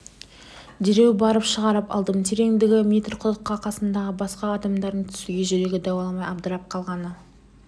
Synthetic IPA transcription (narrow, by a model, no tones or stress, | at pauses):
d̪ɪɾe̞wbɑɾəpʃəʁɑɾəpɑ̰lˠd̪əmt̪ʰeɾe̞ŋd̪ɪɡʲɪmʲijt̪rqʰʊlˠəqːɑqʰɑsənd̪ɑʁəbɑsqɑːd̪ɑmd̪ɑɾd̪ənt̪ʰʏ̥sɪɡʲe̞ʒʏɾe̞ɡʲɪd̪ɑwɑlˠmɑjɑb̚d̪əɾɑp̚qʰɑlˠʁɑnə